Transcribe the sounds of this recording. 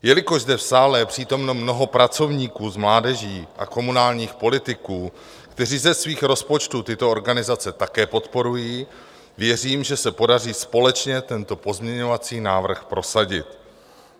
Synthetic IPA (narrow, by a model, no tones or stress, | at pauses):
jɛlɪko̞ʒzdɛfsaːlɛpr̝̥iːt̪o̞mno̞mno̞ɦo̞pɾat͡so̞vɲiːkuːzmlaːdɛʒiːʔa̰ko̞munaːlɲiːxpo̞lɪt̪ɪkuː | kt̪ɛriːzɛsviːxɾo̞spo̞t͡ʃt̪ut̪ɪt̪o̞oɾɡanɪzat͡sɛt̪akɛːpo̞t̪po̞ɾujiː | vjɛriːmʒɛsɛpo̞dariːspo̞lɛt͡ʃɲɛt̪ɛnt̪o̞po̞zmɲɛɲo̞vat͡siːnaːvr̩xpɾo̞saɟɪt̪